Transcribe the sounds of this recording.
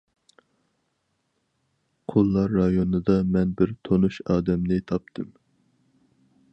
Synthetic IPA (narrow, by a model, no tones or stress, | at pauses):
qʰolˠːɑɾːɑjonɨd̪ɑmɛnbɪɾt̪ʰonuʃɑːd̪ɛmnɪt̪ʰɑp̚t̪ʰɨm